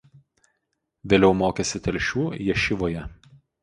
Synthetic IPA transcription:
ʋʲeːlʲɛʊmoːkʲɛsʲɪt̪ʲɛlʲʃʲuːjɛʃʲɪʋoːjɛ

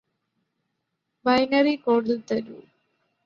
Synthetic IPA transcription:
bɐjnɐrikoːɽlt̪ɐɾṵ

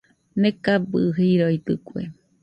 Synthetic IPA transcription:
nekabɨ̰ɦiɾojt̪ɨkʷḛ

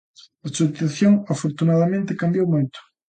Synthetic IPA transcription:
ɐsuot̪θjoŋafoɾt̪unaðamẽnt̪ɪkambjowmojt̪ʊ̥

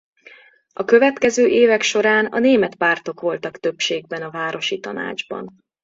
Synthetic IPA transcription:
ɒkø̞vɛt̪kɛzøːʔeːvɛkʃo̞ɾaːnɒ̰neːmɛt̪paːrt̪o̞kʋo̞lt̪ɒkt̪ø̞pʃeːɡ̚bɛnɒvaːɾo̞ʃit̪ɒ̰na̰ːd͡ʒbɒ̰n

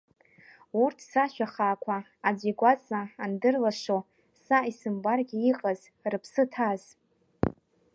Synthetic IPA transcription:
urtʰsaʃᶣaχaːkʷʰaː | d͡ziɡʷat͡sʼaːndɨrlaʂo | saisɨmbarɡʲiiqʼaz̥ | rɨpʰsɨtʰaz̥

